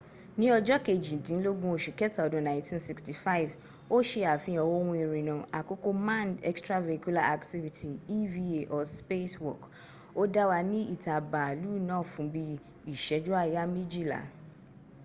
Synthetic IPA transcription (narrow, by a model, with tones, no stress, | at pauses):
nĩ˦ɔ˧d͡ʒɔ˦ke˨d͡ʒĩ˨dĩ˨n̩˦lo˦ɡũ˦o˨ʃu˨kɛ˦ta˨dõ˨˦nã˨ĩ˦tĩ˦nsi˧ksti˨fa˦i˨v | o˦ʃe˧a˨fĩ˧ɔ˨wo˦wũ˧i˧ɾĩ˨nũ˨a˨ko˦ko˦mã˦˨ndɛ̰˦kstɾa˦ve˨ku˦la˦ʔa˨kti˦vi˧tʰi˨i˦vi˦e˨ʔɔ˨spe˦swɔ˨k | o˦da˦wa˧nĩ˦i˦˨ta˨ba˨lu˦nãː˦˨fũ˨˦bi˧ | i˨ʃɛ˨˦d͡ʒu˦a˦˨ja˦mĩ˦d͡ʒi˦˨la̰˨